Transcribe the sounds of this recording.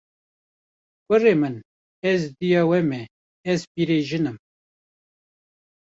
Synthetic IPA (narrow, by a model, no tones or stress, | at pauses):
kɨreːmɨn | ɛzd̪ijɑːwɛmɛ | ɛzpiːɾeʒɨnɨm